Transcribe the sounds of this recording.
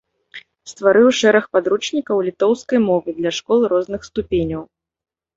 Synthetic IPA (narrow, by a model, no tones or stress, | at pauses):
st̪vaɾɨwʂɛɾɐxpad̪ɾut͡ʂnʲikɐwlʲit̪ɔwskɐjmɔvɨd̪lʲɐʂkɔlˠɾɔznɨxst̪upʲenʲɐw